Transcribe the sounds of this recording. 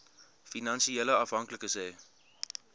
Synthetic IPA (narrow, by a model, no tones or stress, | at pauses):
finɑnsiɛləɐfɦɐŋkləkəsɛː